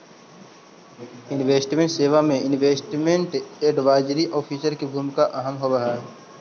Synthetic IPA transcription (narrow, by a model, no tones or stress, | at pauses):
ɪnʋeːsʈmẽɳʈseːʋamẽɪnʋeːsʈmẽɳʈeːɖʋaːɪd͡ʒɾiʔɔːpʰiːsəɾkebʱuːmɪkaʔəɦəmɦoɾəɦaɦɛ